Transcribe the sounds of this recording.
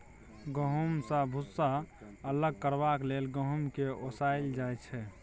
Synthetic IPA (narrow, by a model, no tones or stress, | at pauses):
ɡəɦumsə̃bʱusːa | ələɡ̚kəɾbaklelɡəɦumkeosajld͡ʒajt͡ʃʰɛ